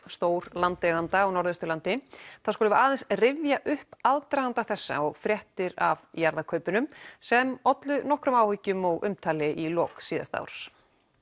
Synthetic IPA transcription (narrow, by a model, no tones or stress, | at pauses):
st̪oːwɾlant̪lɛɣant̪aɔɣnɔɾðʏst̪ʏlant̪ɪθaðskoːlʏvaːðɛnsrɪvjaʔʏhpaðt̪ɾajɣant̪aθɛsːa̰ɔɣfɾjɛht̪ɪɾavjaɾðakʰœɥpʏnʏmsɛmɔt̪lʏnɔhkɾʏmawhʏcːʏmɔɣʔʏ̰mt̪ʰaːlɪʔilɔːksiːða̰st̪a̰wɾ̥s